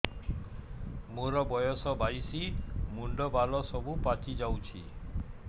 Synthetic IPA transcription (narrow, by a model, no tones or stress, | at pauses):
moɾɔbɔjɔsɔbajsimuɳɖɔbalɔsɔbupat͡ʃid͡ʒawt͡ʃʰi